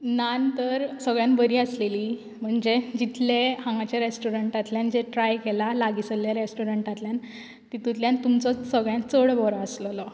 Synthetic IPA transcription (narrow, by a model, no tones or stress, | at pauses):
nant̪əɾsəɡɭjãnbəɾiːəsleliː | m̤əɳd͡ʑed͡ʑit̪lehãŋɡat͡ɕjaɾesʈuɾəɳʈat̪ljand͡ʑeʈɾajkelalaɡisəljaɾesʈuɾəɳʈat̪ljan | t̪it̪ut̪ljant̪umt͡sɔsəɡɭjãnt͡səɭbɔɾaəslɔlɔ